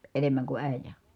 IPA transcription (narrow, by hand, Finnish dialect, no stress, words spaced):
enemːæŋ ku æˑijæ